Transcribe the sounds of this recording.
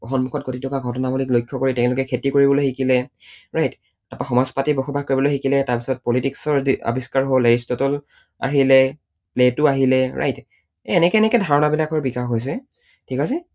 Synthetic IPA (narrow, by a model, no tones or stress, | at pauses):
ɔxʰɔnmukʰɔt̚kotitʰɔkaɡʱɔtɔnabuliklojkʰːɔkoɹitɛʊ̃lʊkɛkʰetikoɹibɔlojxikilɛ | ɹajt | tapaxɔmɔzpatibɔxʰɔbʱakoɹibɔlojxikilɛtaɹpisɔt̚pɔlitiksɔɹa̰bʱiskaɹɦoleɹistɔtɔl | a̰ɦilɛ | pletʊaɦilɛɹa̰jtː | nɛkɛnɛkɛdʱaɹɔnabilakɔɹbixaxɦojs̬ɛ | tʰikasɛ